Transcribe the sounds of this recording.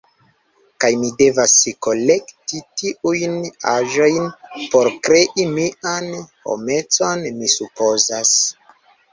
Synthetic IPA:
kajmide̞vasiko̞le̞ktitiʔujnaʒo̞jnpo̞ɾkɾe̞ʔimianho̞̰me̞t͡so̞nmisupo̞zas

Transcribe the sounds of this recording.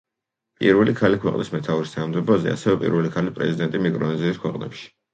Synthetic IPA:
pʼḭɾvɛlikʰalikʰwɛqʼnismɛt̪ʰauɾist̪ʰanamd̪ɛbɔzɛ̰a̰sɛvɛpʼḭɾvɛlikʰalispʼɾɛ̰zid̪ɛnt̪ʼimikʼɾɔniziːskʰwɛqʼnɛ̰pʃi̥

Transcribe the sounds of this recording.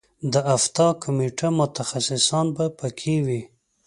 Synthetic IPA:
d̪əʔaft̪ɑkʊmeʈamʊt̪axasɪsɑnbapəkʰewi

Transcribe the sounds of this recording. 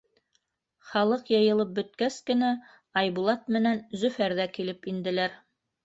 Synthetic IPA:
χɑlˠɤqjɤ̆jɤ̆lˠɤp̚bɵ̆t̪kæskɘ̆næ | ɑjβulˠɑt̪̚mɘ̆nænzɵ̆fæɾðækilɘpind̪ɘ̆læɾ

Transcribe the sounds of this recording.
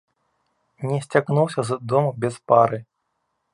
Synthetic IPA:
nʲɛsʲt͡sʲaknuwsʲɐzd̪ɔmubʲɛspaɾɨ

